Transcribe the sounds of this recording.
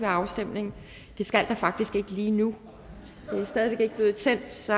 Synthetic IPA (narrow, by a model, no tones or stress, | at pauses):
ʋæɐɑ̈ʊsd̥em̰ne̝ŋ | d̥e̝sɡ̥æl̰d̥ɑ̈fɑ̈ɡ̥̚d̥isɡ̥e̝ɡ̥əliːnu | d̥e̝æsd̥ɛð̞ˠʋe̝ɡ̥e̝ɡ̥əb̥le̝ːð̞̩ˠt͡sʰen̰d̥sɒ̽